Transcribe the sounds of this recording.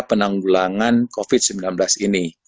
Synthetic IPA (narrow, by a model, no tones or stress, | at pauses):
pənaŋɡulaŋankofit̪̚səmbilanblasini